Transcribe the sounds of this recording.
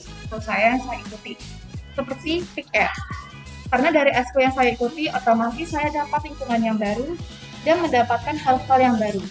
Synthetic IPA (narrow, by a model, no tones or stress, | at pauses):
kosajajaŋsajaikut̪i | səpərt̪ipik̚ɛr | karnadaɾiʔɛskojaŋsajaikut̪iʔat̪amasisajadapat̪liŋpuŋanjaŋbaɾu | danməndapat̪̚kanɦalhaljaŋbaɾu